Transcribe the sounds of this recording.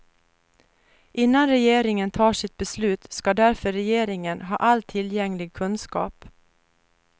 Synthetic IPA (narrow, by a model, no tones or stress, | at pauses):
ʔɪnːanɾɛjeːɾɪŋənt̪ʰɑːʂɪt̪̚bɛslʉːt̪skɑd̪æɾfœɾɛjeːɾɪŋənɦɑ̰ːʔalt̪ʰɪljɛŋlɪɡ̚kʰɵnskɑ̰ːp